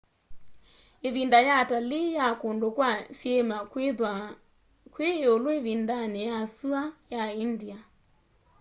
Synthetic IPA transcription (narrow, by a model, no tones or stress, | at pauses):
eβindajatalijakondokwasjɛmakwa | kweoloevindanɛjasuajaindia